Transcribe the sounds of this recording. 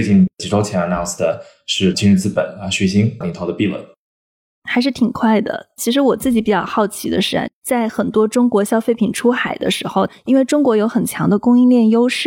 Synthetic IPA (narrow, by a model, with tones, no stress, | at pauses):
t͡ɕi˥˩ŋt͡ɕi˧˥ʈ͡ʂʰo˥t͡ɕʰjɛ˧˥nə˧na˥˩ʊnsd̪ə˩ | ʂɻ̩˥˩t͡ɕi˥ɻə˥˧nt͡sɹ̩˥˩pə̰˨˩˦n˧˥ɕɥɛ˧˥ɕi˥ŋli˨˩t̪ʰo˧˥ʊə˧pi˥˧lwə̰˥˩n | xa˧˥ɪʂ̬ɻ̩˥˩t̪ʰi˨˩ŋkʰwa˥˩ɪd̪ə̰˩t͡ɕʰi˧˥ʂ̬ɻ̩˧˥wɔ˨˩t͡sɹ̩˥˩t͡ɕi˧˥pi˨˩t͡ɕɑ˥˩ʊxɑ˥˩ʊt͡ɕʰi˧˥d̪ə̰˧ʂɻ̩˥ə̰˥t͡sa˥˩ɪxə˨˩nt̪wɔ˥ʈ͡ʂʊ˥ŋkwɔ˧˥ɕjɑ˥ʊfe˥˩ɪpʰi˨˩ŋʈ͡ʂʰu˥xa˨˩ɪd̪ə̰˦ʂɻ̩˧˥xo˧ʊi˥nwe˥˩ɪʈ͡ʂʊ˥ŋkwɔ˧˥jo˧˥ʊxə˨˩nt͡ɕʰjɑ˧˥ŋd̪ə˧kʊ˥ŋi˥˧nljɛ˥˩njo˥ʊʂɻ̩˥˩